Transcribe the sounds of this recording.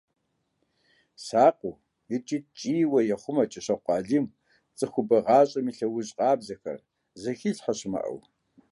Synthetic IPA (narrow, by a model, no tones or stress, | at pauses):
saːqʷʼʊ | jɪt͡ʃʼit͡ʃʼiːwɐjɛχʷʊmɐt͡ʃʼɐɕɐqʷɑːɮim | t͡sʼɨxʷʊbɐʁɑːɕʼɐmiɬɐwʊɕʼqʼɑːbzɐxɐ̰r | zɐxiɬħɐɕɪmɐ̰ʔɐ̰w